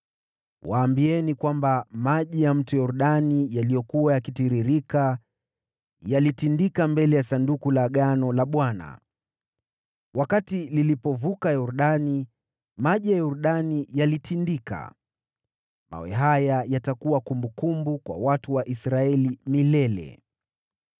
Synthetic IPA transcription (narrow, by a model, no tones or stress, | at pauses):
waːmbiɛnikwambamaʄijam̩tujɔɾuɗanijalijɔkuwajakitiɾiɾika | jalitindikambɛlɛjasandukulaɠanɔlaɓwana̰ | wʔakatililipɔvukajɔɾuɗani | maʄijajɔɾuɗanijalitʰindika̰ | ma̰wɛ̰ɦajajatakuwakumbukumbukwa̰watuwaʔisɾaɛlimilɛlɛ̰